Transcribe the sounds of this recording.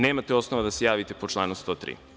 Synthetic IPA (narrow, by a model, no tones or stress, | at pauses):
neːmat̪eo̞snoʋad̪asejaːʋit̪e̞po̞t͡ʃlˠaːnust̪ot̪ɾḭː